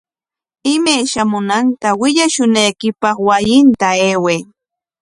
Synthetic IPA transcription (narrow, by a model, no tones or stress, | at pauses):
ɪmajʃamʊnant̪awɪʎaʃʊnajkɪpɑχwajɪnt̪aeːweː